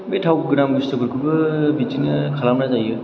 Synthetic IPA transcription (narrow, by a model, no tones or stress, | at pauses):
betʰawɡɯnamɡustɯbɯɾkʰubɯbit͡ʃinɯkʰalamnazajɯ